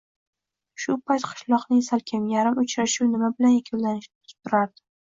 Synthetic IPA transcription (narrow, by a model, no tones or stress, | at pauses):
ʃʊpajt̪qʰɨ̥ʃlˠɒqnɪŋsalkʲʰamjaɾɪmʊt͡ʃɾaʃuwnɪmabɪlanjakʲʰʊllːanɪʃnɪt̪ʰʊ̥t̪ʊɾaɾd̪ɪ̥